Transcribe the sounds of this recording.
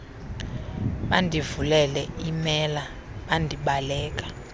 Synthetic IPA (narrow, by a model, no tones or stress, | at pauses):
ɓandʱivulɛlɛimɛla | ɓandʱiɓalɛːk̬ʼḁ